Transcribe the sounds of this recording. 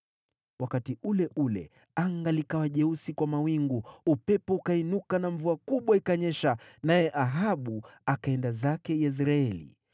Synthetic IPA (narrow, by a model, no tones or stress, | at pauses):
wʔakatiulɛʔulɛ̰ | aŋɡalikawaʄɛusikwamawiŋɡuupɛpɔukainukanaɱvuakuɓwaikaɲɛʃanajɛʔaɦaɓuakaɛndazakɛjɛs̬ɾaɛlḭ